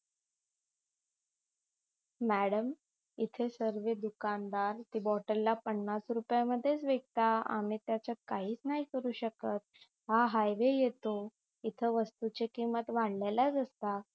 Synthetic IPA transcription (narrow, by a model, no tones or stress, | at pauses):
mæɽəm | it̪ʰesəɾʋed̪ukand̪aɾt̪iːbɔʈəɾːapəɳːasɾupjaməd̪ʱːjet͡sʋeɡ̚t̪aa̰miːt̪jat͡ɕat̪̚kaɦiːt͡snaɦikəɾuːɕəkət̪̚ | ɦaɦajʋejet̪o | it̪ʰəʋəst̪ut͡ɕekimət̪ʋaɽlajlad͡zəst̪a